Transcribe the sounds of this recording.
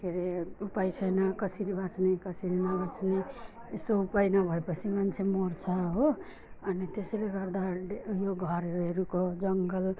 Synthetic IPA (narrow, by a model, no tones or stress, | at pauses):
kʰeɾeupajt͡ʃʰʌnakʌsiɾibat͡ʃnekʌsiɾinʌbat͡sne | est̪oupainʌbʱʌepʌt͡ʃʰimant͡ʃʰemoɾt͡ʃʰaɦo | ʌnit̪eseleɡʌɾd̪aɖjoɡʱʌɾeɾukod͡ʒʌŋɡəl